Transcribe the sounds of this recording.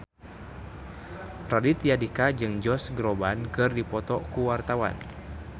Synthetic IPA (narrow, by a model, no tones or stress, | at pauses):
radit̪jadikad͡ʒɨŋd͡ʒɔsɡɾobankɨrdipɔt̪ɔkuwart̪awa̰n